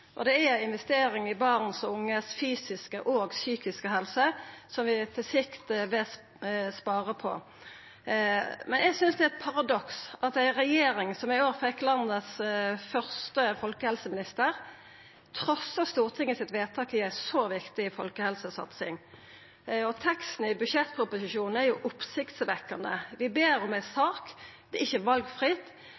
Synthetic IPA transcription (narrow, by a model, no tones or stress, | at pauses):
ʔɔ̰d̪ɛæɪnʋɛst̪eːɾɪŋɪbɑʁnsɔʊŋːəsfyːsɪskəʔoːɡsyːkɪskəɦɛlsəsɔmʋɪt̪ʰɪsɪkt̪ʋɛ | spɑːʁəpʰɔ̰ | mɛnɛɡsʏnsd̪ɛhɛlt̪pʰɑʁɑd̪ɔksɑt̪̚d̪æɪɾɛjeːɾɪŋsɔmɪoːʁfɛkːlɑnːəsfœʁst̪əfɔlkəhɛlsəmɪnɪst̪əʁ | t̪ʰʁɔsəst̪uːʁt̪ʰɪŋːəsɪt̪ʋeːt̪ʰɑːkɪæɪsoʋɪkt̪ɪɪfɔlkəhɛlsəsɑ̰t̪sɪ̰ŋ | ɔt̪ʰɛkst̪n̩ɪbʉʃjɛt̪ːpʰʁʊpʊsɪʃuːnn̩æɾjʊʔʊpsɪkt̪sʋɛkːənə̰ʋɪbeːɾɔmæɪsɑːkd̪̥ɛɪçːəʋɑlɡfʁɪt̪